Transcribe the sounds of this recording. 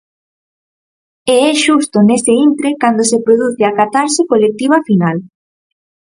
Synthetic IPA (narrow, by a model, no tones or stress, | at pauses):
eɛʃust̪oneseint̪ɾekand̪osepɾoðuθeakat̪aɾʃɪkolek̚t̪iβ̞afinal